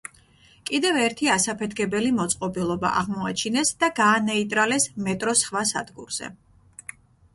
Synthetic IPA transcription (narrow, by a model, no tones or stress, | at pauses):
kʼid̪ɛvɛɾt̪ʰiasapʰɛt̪ʰkʰɛbɛlimɔt̪sʼqʼɔbilˠɔba̰ʔaʁmɔat͡ʃʰinɛsd̪aɡaːnɛit̪ʼɾalɛsmɛt̪ʼɾɔsχvasa̰d̪ɡṵɾz̥ɛ̰